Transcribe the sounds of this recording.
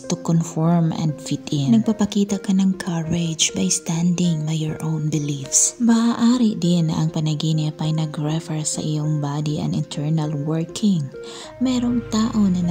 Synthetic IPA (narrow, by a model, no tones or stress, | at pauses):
t̪ʊkonfɔɹmɐ̰nd̪fɪt̪ɪnnɐɡ̚pɐpɐkiːt̪ɐkɐnɐŋkʰaɹɛd͡ʒbajst̪and̪ɪŋbajɔɹʔownbɪlifsmɐʔaʔaːɾɪʔd̪ɪnːɐ̰ʔɐŋpɐnɐɡinɪpɐjnɐɡɹɛfɛɹsɐ̰ʔɪjoŋbaːd̪iʔɐ̰ŋɪnt̪ʰɛɹnɐlwɛɹkʰɪŋ | mɛːɾoŋt̪aːʔo̞nɐnɐ